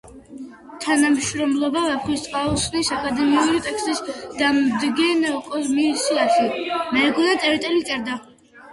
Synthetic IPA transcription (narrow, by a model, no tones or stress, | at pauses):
t̪ʰanamʃɾɔmlˠɔbavɛpχwist̪ʼqʼausnisakʼad̪ɛmiuɾit̪ʼɛkst̪ʼisd̪̥amd̪ɡɛnɛkʼɔmisiasʰimɛːɡɔnat̪ʼɛɾit̪ʼɛlit̪sʼɛɾd̪a